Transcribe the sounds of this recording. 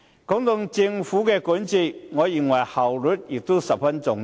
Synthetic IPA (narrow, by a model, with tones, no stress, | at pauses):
kɔː˨˥ŋt̪ʊ˨˧ŋt͡sɪ˧ŋfuː˨˥kɛː˧kuː˨˥nt͡si˧tŋɔː˨˧ji˨˩ŋwɐ˨˩jhɐ˨˩wlʊ˨˥t̚jɪ˨k̚t̪o˥wsɐ˨p̚fɐ˥nt͡sʊ˨˧ŋ